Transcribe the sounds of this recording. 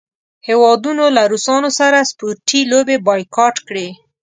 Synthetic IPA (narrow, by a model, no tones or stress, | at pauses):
hewɑd̪unolaɾusɑnosaɾaspoɾʈilobebɑjkɑʈkɽe